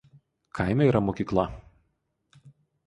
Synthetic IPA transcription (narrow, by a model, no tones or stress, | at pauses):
kʰaɪmʲɛiːɾɐmoːkʲiːklˠɐ